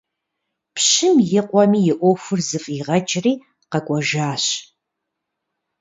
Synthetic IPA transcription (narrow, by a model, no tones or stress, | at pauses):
pʰɕɪmjɪqʷʼɔmiːjɪʔʷoxʷɨrzɨfʼiʁɐt͡ʃʼriː | qɐkʷʼɔʒaːɕ